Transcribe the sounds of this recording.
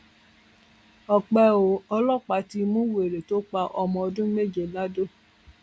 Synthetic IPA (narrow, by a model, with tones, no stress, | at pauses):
ɔ˨k͡pɛ˧o˨ɔ˧lɔ˦˨k͡pa˨˦ti˧mũ˦we˨ɾe˨to˦k͡pa˧ʔɔ˧mɔ̃˧˨ɔ˧dũ˦me˦˨d͡ʒe˨la˦do˦˨